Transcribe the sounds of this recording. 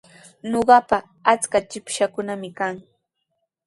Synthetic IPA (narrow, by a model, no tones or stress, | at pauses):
noɢɑpa | at͡skat͡ʃɪpʃakʊnamɪkaŋ